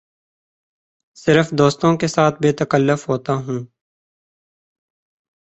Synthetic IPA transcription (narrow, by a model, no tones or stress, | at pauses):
sɪɾəfd̪oːst̪õkesaːt̪̚ʰbeːt̪əkəlːʊfɦoːt̪aɦũː